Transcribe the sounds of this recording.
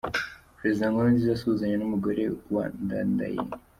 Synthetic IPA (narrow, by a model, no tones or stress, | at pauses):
pɾezdãŋɡanand͡ʒizasuzaɲenamuɡəɾewa̰nndanda̰jḭ